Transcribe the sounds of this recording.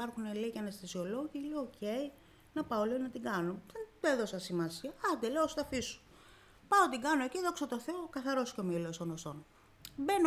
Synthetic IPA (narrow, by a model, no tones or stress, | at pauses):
pɐɾxunelicʲeɐnest̪ɐsio̞lo̞ʝileooce̞i | nɐpɐolionɐt̪iɡɐnoðent̪oeðo̞sɐsimɐsiɐɐd̪eleost̪ɐfisu̥ | pɐot̪iɡɐnociðo̞ksot̪o̞θe̞okɐθɐɾo̞sceomilost̪onoson | ben